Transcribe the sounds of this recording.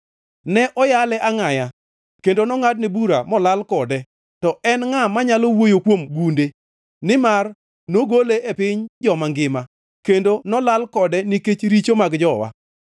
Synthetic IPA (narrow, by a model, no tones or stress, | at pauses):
nɛʔɔjalɛʔaŋaja | kendonɔŋadnɛbuɾamɔlalkɔdɛ | tɔɛnŋamaɲalowojokwomɡunde | nɪmar | noɡoleepɪɲd͡ʒɔmaŋɡɪma | kendonɔlalkɔdɛniket͡ʃɾit͡ʃomaɡd͡ʒɔwa̰